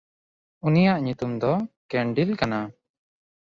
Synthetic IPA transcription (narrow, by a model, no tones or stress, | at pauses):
unijaʔɲut̪umd̪ɔkɛɳɖilkana